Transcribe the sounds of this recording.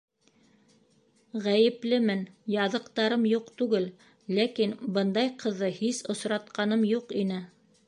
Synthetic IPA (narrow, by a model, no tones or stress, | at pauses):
ʁæjɘ̆plɘmɘnjɑðɤ̆qt̪ɑɾɤmjuqt̪ʉɡɘl | lækinbɤnd̪ɑjqʰɤ̆ðːɤhisŏsɾɑt̪̚qɑnɤmjuqinɘ